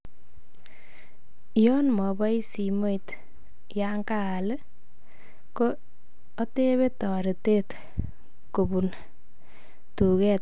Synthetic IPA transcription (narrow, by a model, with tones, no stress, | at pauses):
jɔ˦nmɔ˨ba˦jsi˨mo˦jt | jaŋka˦a˨l | koː˦ | te˦βe˦tɔ˨ɾi˨te˦t | ko˨bu˨n | tu˨kɛ˦t̚